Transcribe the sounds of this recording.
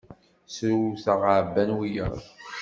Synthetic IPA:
sɾuθəʁəʕbːænwijə̰ɾˤ

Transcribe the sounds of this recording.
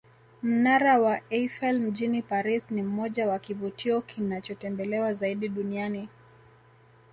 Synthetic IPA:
m̩naɾawaɛfɛlm̩ʄinipaɾisnim̩mɔʄawakivutʰiɔkʰinat͡ʃɔtɛmbɛlɛwazaiɗiɗuniani

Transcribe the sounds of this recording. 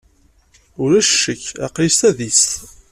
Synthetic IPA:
ʊɾæʃːəçɑ̰qlist̪æðist̪

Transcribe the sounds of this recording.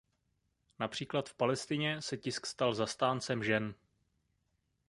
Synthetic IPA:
napr̝̥iːklat̪fpalɛst̪ɪɲɛsɛcɪskst̪alzast̪aːnt͡sɛmʒɛn

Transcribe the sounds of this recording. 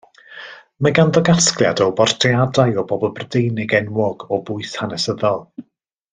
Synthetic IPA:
maɡandɔɡasklˠja̰dɔbɔrtʰiadajɔbɔbɔlˠbrdejnɪɡɛnwɔɡɔbʊɨθhanɛsəðɔlˠ

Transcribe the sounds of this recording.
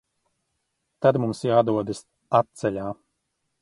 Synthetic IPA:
t̪ad̪mumsjaːd̪uɔd̪ɨs | at̪̚t̪sɛlʲaː

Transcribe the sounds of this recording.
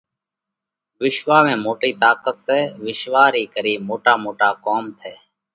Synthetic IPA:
ʋɪʃʋaːʋẽːmoːʈiːt̪aːkət̪sɛːʋɪʃʋaːɾiːkəɾiːmoːʈaːmoːʈaːkoːmt̪ʰeː

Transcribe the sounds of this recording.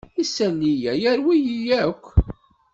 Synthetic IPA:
isːænːijæjæɾwijijækʷː

